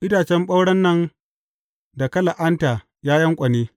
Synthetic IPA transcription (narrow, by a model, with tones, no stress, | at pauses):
ʔɪ˦daː˨t͡ʃɛ˦mɓɐ˦wɽɐ˦nːɐ˦˨n | da˨kɐ˦la˨ʔa˦ntaː˨ | jaː˦jɐ˦ŋkʷʼɐ˨neː˦